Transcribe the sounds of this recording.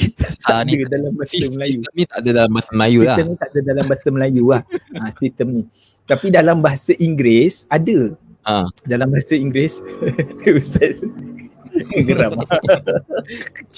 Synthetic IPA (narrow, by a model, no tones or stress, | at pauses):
t̪t̪aandədalambaɦasaməlajuənĩt̪aadadalambaasaməlajuilat̪əmnĩt̪aʔadadalambaɦasaməlajulahãsit̪əmni | t̪apidalambaɦasaʔiŋɡɾesadə | adalambaɦasaiŋɡɾes | ust̪at | kəɡəɾama